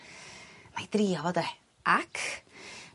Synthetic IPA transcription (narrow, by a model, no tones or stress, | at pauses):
majd̥riːɔvɔdɛ | ʔakʰ